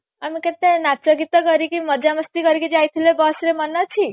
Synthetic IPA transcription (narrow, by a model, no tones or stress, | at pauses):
amiket̪enat͡ʃɔɡit̪ɔɡʌɾikimʌd͡ʒaməst̪ikʌɾikid͡ʒajt̪ʰilebɔsɾemanːɔt͡ʃʰi